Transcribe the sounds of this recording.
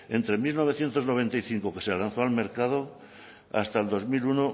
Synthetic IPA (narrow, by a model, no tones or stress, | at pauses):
ẽ̞nt̪ɾe̞milno̞β̞eθje̞nt̪ozno̞β̞e̞nt̪ajθiŋkoke̞sealan̟θoalme̞ɾkað̞o | a̰st̪aeld̪o̞zmiluno